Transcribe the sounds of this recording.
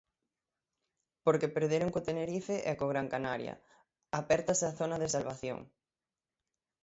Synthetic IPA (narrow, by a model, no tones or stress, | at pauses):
poɾkepeɾðeɾoŋkot̪eneɾifeʔɛkoɣ̞ɾaŋkanaɾjɐ̰ | apɛɾt̪ɐseaθonɐðesalβaθjo̰ŋ